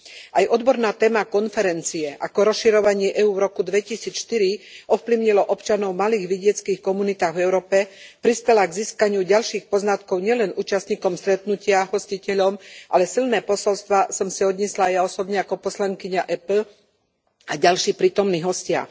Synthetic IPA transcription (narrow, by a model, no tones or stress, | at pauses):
ajʔɔd̪bɔɾnaːt̪ɛːmakɔnfɛɾɛnt͡siɛʔakɔɾɔsʃiɾɔʋaɲɪɛʔɛuːɾɔkud̪ʋɛcisiːt͡sʃt̪iɾiɔfpliʊɲilɔʔɔpt͡ʃanɔʊmaliːɣʋiɟɪɛt͡skiːxkɔmunit̪aːɣvɛʊɾɔːpɛpɾispɛlaɡziːskaɲɪuɟalʃiːxpɔznat̪kɔʊɲɪɛlɛnuːt͡ʃast̪ɲiːkɔmst̪ɾɛt̪nucɪaɦɔscicɛʎɔmʔa̰lɛsilnɛːpɔsɔlst̪ʋasɔmsiɔd̪ɲislaːjaɔsɔbɲɛakɔpɔslaŋkiɲaʔɛpl̩ | aɟalʃiːpɾiːt̪ɔmniːɦɔscɪa̰